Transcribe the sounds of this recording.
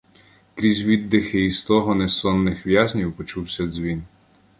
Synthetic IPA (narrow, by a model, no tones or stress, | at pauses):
kɾʲizʲʋʲid̪ːɪxɪist̪ɔɦɔnɛsɔnːɪxʋjazʲnʲiwpɔt͡ʃuwsʲɐzʲʋʲin